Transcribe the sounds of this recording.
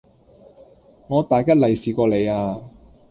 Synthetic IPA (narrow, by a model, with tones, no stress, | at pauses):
ŋɔː˨˧t̪aː˨˩jkɐ˥t̚lɐ˨˩jsiː˨˩kɔː˧le˨˧jaː˧